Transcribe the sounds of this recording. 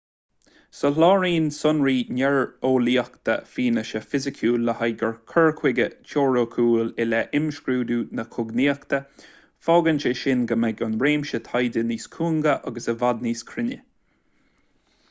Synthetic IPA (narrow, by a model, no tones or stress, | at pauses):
sɔlɑːɹiːnsʊnɹiːnʲɛɹoːliːakt̪ə̰fiːnəʃəfɪzɪkʰuːlːəhajɡəɹkʰəɹkʰwɪɡət͡ʃʰoːɹoːkʰuːlɪlɛʔɪmʃkɾuːd̪uːnəkʰʊɡniːəkt̪ə | fɔːɡənt͡ʃəʃɪnɡəmɛɡʊnbɾeːmʃət̪ʰajdəniːskʰuːŋɡəʔaɡəsəvad̪̚niːskʰɾɪnə